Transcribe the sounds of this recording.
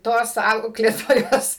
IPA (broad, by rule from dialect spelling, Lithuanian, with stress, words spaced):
ˈtoːs ˈɐʊklʲeːtoːjoːs